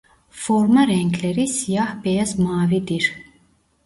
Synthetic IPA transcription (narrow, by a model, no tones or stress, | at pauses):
fɔɾmaɾɛŋkʰlɛɾisjahbɛjazmɑːvid̪iɾ